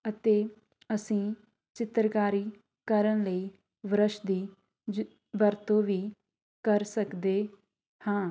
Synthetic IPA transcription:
ət̪eː | əsĩː | t͡ʃɪt̪ɾkaːɾiː | kəɾənləiː | ʋɾəʃd̪iː | bəɾt̪õːʋiː | kəɾsəkd̪eː | hãː

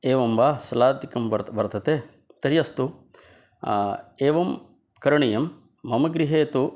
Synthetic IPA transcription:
eːʋɐmʋaːsɐlaːd̪ikɐmʋɐɾtʋɐɾt̪ʰɐt̪eː | t̪ɐɾijɐst̪u | eːʋɐm | kɐɾɐɳijɐmː | ɐmɐɡɾiɦeːt̪u

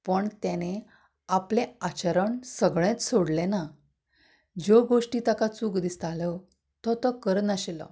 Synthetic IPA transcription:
pəɳt̪jane | apleat͡ɕəɾəɳsəɡɭẽt͡ssoɽlena | d͡ʑɔɡoʂʈiːt̪akat͡suːkd̪ist̪alə | t̪ɔt̪ɔkəɾnaɕelə̰

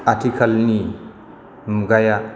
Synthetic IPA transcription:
atʰikʰalni | muɡaja

